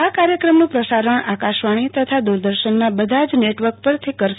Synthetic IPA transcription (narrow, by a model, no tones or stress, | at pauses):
akaɾjəkɾəmnũpɾəsaɾəɳakaʃʋaɽ̃it̪ət̪ʰad̪uɾd̪əɾʃənmabəd̪ʱad͡ʒneʈʋəɾk̚pəɾt̪ʰikəɾ